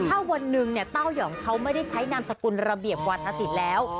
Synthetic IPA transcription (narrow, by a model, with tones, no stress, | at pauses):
t̪ʰaː˥˩wa˧nːɯ˨˩ŋni˥˩ət̪a˥˩wjɔː˩˦ŋkʰa˦˥wma˥˩jda˥˩jt͡ɕʰa˦˥jnaː˧msa˧ku˧nɾa˧bi˨˩əp̚kwaː˧t̪ʰa˧si˨˩t̪̚lɛː˦˥w